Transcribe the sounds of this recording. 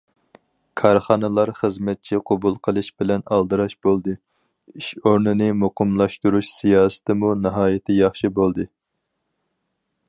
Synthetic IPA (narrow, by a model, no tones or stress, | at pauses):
kʰɑɾχɑnɨlˠɑɾχəzmɛt̪̚t͡ʃʰiqʰɑbulˠqʰəlˠɨʃbɪlɛnɑlˠd̪ɨɾɑʃbolˠd̪ɨ | iʃoɾnɨnɨmoqʰɨmlˠɑʃt̪uɾuʃsijɑːsɨ̥t̪ʰɪmunɨɦɑːjɪt̪ʰɪjɑχʃibolˠd̪ɨ